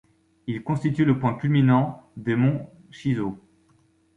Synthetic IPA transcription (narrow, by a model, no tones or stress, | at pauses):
ilkɔ̃st̪it̪yləpwɛ̃kʲylminɑ̃d̪emɔ̃ | ʃizo